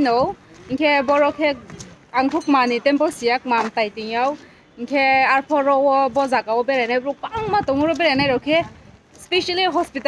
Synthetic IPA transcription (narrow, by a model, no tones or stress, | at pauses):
nɔwiŋkʰɛbɔɹɔkʰɛkaŋkʰukmanitɛmpɔsijak̚mamtajtijaw | iŋkʰɛaɹpʰɔɹɔwɔbɔzakawɔbɛɹɛnajɾɔpaŋmatɔmuɹɔbɛɹɛnajɹɔwkʰɛ | speʃaliɦɔspit